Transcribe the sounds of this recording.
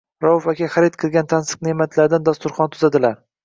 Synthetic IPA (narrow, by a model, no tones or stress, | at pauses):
ɾawʊfakʲaχaɾɪt̪̚qʰɨlˠɡʲant̪ʰansɨ̥qnemat̪ʰlaɾd̪and̪ast̪ʊɾχɒnt̪ʰʊzad̪ɪlaɾ